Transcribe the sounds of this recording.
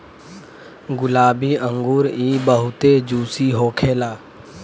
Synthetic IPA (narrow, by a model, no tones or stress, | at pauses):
ɡʊlaːbiːə̃ŋɡuːɾiːbəɦʊt̪ed͡ʒuːsiɦoːkʰeːlaː